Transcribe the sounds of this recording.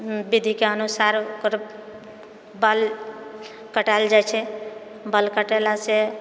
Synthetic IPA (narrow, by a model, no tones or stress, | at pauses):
bid̪ʱikeənusaɾkəɾ | bəl | kəʈald͡ʒajt͡ʃʰɛ | bəlkəʈelase